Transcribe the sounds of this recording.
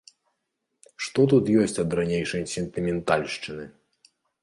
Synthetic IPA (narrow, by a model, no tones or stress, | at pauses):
ʂt̪ɔt̪ut̪jɔsʲt͡sʲɐd̪ɾanʲejʂɐjsʲɛnt̪ɨmʲɛnt̪alʲʂt͡ʂɨnɨ